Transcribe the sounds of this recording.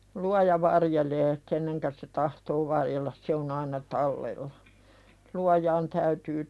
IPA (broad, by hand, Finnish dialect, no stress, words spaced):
luɑjɑ ʋɑrjeleː kenːeŋkæ se tɑhtoː ʋɑrjelːɑs se on ɑinɑ tɑlːelːɑ luɑjɑːn tæytyː